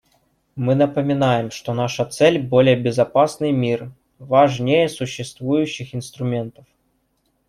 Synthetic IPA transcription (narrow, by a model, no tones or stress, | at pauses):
mɨnəpəmʲɪnajɪmʂt̪onaʂət̪sɛlʲbo̞lʲɪjəbʲɪzɐpasnɨjmʲir | vaʐnʲejəsʊɕːɪst̪vujʉɕːɪxɪn̪st̪ɾʊmʲe̞nt̪əf